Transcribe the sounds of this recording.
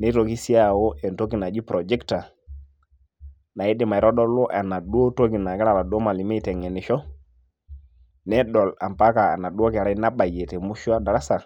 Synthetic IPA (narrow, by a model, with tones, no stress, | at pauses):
nɛ˦to˨ki˦si˦a˦˨wo˦ʔɛ˨nto˦ki˨na˨d͡ʒi˦pɾo˨d͡ʒɛ˦kta˨ | na˨i˦di˦˨ma˨i˨ɾɔ˦ɗɔ˦lɔ˦ʔa˨na˨ɗu˦o˦to˦ki˨na˨kɛ˦ɾa˦˨ba˨ɗo˦ma˨li˨me˦i˨tɛ˨ŋɛ˨ni˨ʃɔ˦ | nɛ˦ɗɔ˨la̰˨mpa˦ka˨a̰˨na˨ɗu˦o˦kɛ˨ɾa˦i˦na˦ɓa˨je˨te˨mu˦ʃu˦a˦da˨ɾa˦sa˨